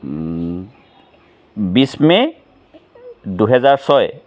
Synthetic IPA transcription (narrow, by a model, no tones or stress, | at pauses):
bismɛ | duɦɛzaɹsɔj